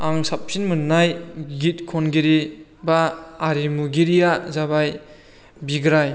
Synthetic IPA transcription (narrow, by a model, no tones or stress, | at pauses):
aŋsap̚sinmunːajɡit̚kʰɔnɡiɾibaːɾimuɡiɾijazabaj | biɡɾaj